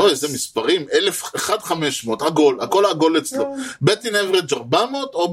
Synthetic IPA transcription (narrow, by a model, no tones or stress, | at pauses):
oezemispaʁimelefeχad̪χameʃmot̪haɡo̞lako̞laɡo̞let͡slobet̪inevʁed͡ʒaʁbamot̪o